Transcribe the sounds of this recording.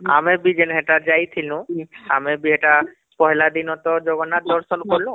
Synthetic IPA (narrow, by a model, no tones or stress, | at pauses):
a̰mebid͡ʒenɦɛʈad͡ʒajt̪ʰilũa̰mebiɛʈa | pɔɦɛlad̪inɔt̪ɔd͡ʒɔɡɔnad̪ɔɾsɔnkɔɾlũ